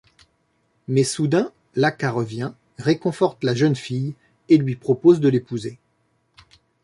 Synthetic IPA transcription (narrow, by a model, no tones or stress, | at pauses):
mɛsud̪ɛ̃ | lakaʁəvjɛ̃ | ʁekɔ̃fɔʁt̪laʒənfij | elɥipχɔpozd̪əlepuze